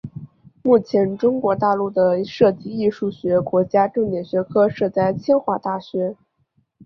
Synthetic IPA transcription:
mu˥˩t͡ɕʰjɛ˧˥nʈ͡ʂʊ˥ŋkwɔ˧˥t̪a˥˧lu˥˩d̪ə˩ʂɤ˥˧t̪i˥˧i˥˧ʂu˥˩ɕɥɛ˧˥kwɔ˧˥t͡ɕja˥ʈ͡ʂɤ˥˧ŋt̪jɛ˥˩nɕɥɛ˧˥kʰɤ˥ʂɤ˥˧t͡sa˥˩ɪt͡ɕʰjɛ˥nxwa˥˧t̪a˥˩ɕɥɛ˧˥

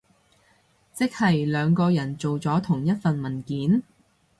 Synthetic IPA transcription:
t͡sɪ˥k̚hɐ˨jlœː˨˧ŋkɔː˧jɐ˨˩nt͡so˨wt͡sɔː˨˥t̪ʰʊ˨˩ŋjɐ˥t̚fɐ˨nmɐ˨˩nkiː˨˥n

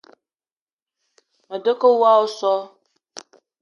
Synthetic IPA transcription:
mə˨də˦kə˦wa˦wo˦sɔ˦

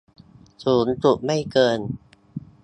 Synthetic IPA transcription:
suː˩˦nt͡ɕu˨˩ʔma˥˩jkɤː˧n

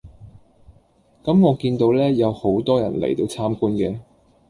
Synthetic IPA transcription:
kɐ˨˥mŋɔː˨˧kiː˧nt̪o˨˧wlɛː˥jɐ˨˧who˨˥wt̪ɔː˥jɐ̰˨˩nlḛ˨˩jt̪o˧wt͡sʰaː˥mkuː˥nkɛː˧

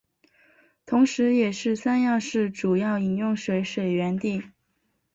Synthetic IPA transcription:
t̪ʰʊ˧˥ŋʂɻ̩˧˥jɛ˨˩ʂɻ̩˥˩sa˥njɑ˥˧ʊʂɻ̩˥˩ʈ͡ʂu˨˩jɑ˥˩ʊi˨˩njʊ˥˩ŋʂwe˧˥ɪʂwe˨˩ɪɥɛ˧˥nt̪i˥˩

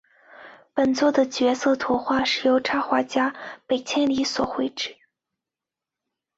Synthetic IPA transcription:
pə˨˩nt͡swɔ˥˩d̪ə˩t͡ɕɥɛ˧˥sɤ˥˩t̪ʰɔ˧˥xwa˥˧ʂɻ̩˥˩jo˧˥ʊʈ͡ʂʰa˥xwa˧˥t͡ɕja˥pe˨˩ɪt͡ɕʰjɛ˥nli˧˥swɔ˨˩xwe˥˩ɪʈ͡ʂɻ̩˥˩˦

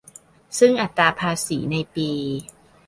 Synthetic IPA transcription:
sɯ˥˩ŋʔa˨˩t̪ːɾaː˧pʰaː˧siː˩˦na˧jpiː˧

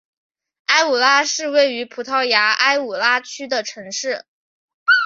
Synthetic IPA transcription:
a˥ɪu˨˩la˥ʂɻ̩˥˧we˥˩ɪy˧˥pʰu˨˩t̪ʰɑ˥˩ʊja˧˥a˥ɪu˨˩la˥t͡ɕʰy˥d̪ə˨ʈ͡ʂʰɤ˧˥ŋʂɻ̩˥˩

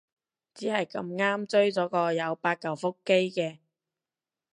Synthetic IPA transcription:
t͡siː˨˥hɐ˨jkɐ˧mŋaː˥mt͡sɵ˥ɥt͡sɔː˨˥kɔː˧jɐ˨˧wpaː˧t̚kɐ˨˩wfʊ˥kːe˥jkɛː˧

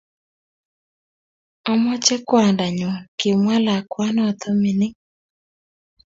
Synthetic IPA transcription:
ɔ˦mɔ˦t͡ʃɛ˦kwa˨nda˨ɲɔ˨ke˨mwa˦la˨kwa˦nɔ˦t̪ɔ˦mɪ˨nɪ˦

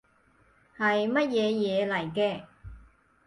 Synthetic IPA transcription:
hɐ˨jmɐ˥t̚jɛː˨˧jɛː˨˧lɐ˨˩jkɛː˧

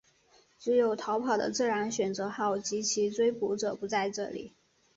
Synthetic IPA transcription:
t͡sɻ̩˧˥jo˨˩ʊt̪ʰɑ˧˥ʊpʰɑ˨˩ʊd̪ə̰˦t͡sɹ̩˥˩ɻa˧˥nɕɥɛ˨˩nt͡sɤ˧˥xɑ˥˩ʊt͡ɕi˧˥t͡ɕʰi˧˥t͡swe˥ɪpu˧˥ʈ͡ʂɤ˨˩pu˧˥t͡sa˥˧ɪʈ͡ʂɤ̰˥˩lḭ˨˩˦

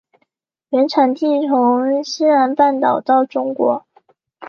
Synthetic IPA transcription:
ɥɛ˧˥nʈ͡ʂʰa˨˩nt̪i˥˩t͡sʰʊ˧˥ŋɕi˥nɻa˧˥npa˥˩nt̪ɑ˨˩ʊt̪ɑ˥˩ʊʈ͡ʂʊ˥ŋkwɔ̰˧˥

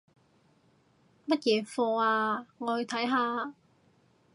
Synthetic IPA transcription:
mɐ˥t̚jɛː˨˧fɔː˧aː˧ŋɔː˨˧hɵ˨˧t̪ʰɐ˨˥jɦaː˨˧

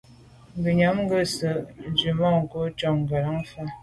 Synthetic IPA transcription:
ŋ˨ɡi˨ɲa˨˦mŋ˦ɡə˦˨sə˨d͡ʒi˨mɔ˦˨ŋ˨ko˦t͡ʃɔ˨ŋɡa˨la˦ŋ˦fa˦

